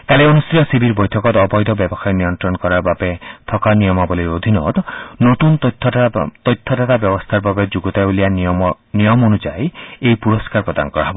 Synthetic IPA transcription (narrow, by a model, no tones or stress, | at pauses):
k̪aleonust̪ɾijɔsibʱiɾbɔjtʰɔkɔt̪ɔbɔjd̪ʱɔbjɔbɔxajnijɔnt̪ɾɔnkɔɾaɾbabet̪ʰɔkanijɔmɔbɔliɾod̪ʱinɔ̰t̪not̪unt̪ʰːɔt̪ɔjt̪ʰːɔt̪at̪abjɔbɔst̪ʰaɾbabed͡ʒuɡɔt̪ajulija | nijɔmonud͡ʒajejpuɾɔskaɾpɹɔd̪a̰nɔkɔɾa̰ɦɔbɔ